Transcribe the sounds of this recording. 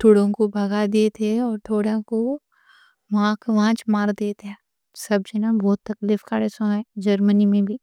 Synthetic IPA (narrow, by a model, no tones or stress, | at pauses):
t̪ʊɽõkobʱɐɡad̪eːt̪ʰeɔːɾt̪ʰoːɽãko | ʋãːkʋãːt͡ʃmaːɾd̪eːt̪eː | sɐbd͡ʒenabɔːt̪ːɐklɪfkaɽesõɛd͡ʒɐɾmənimẽbʱiː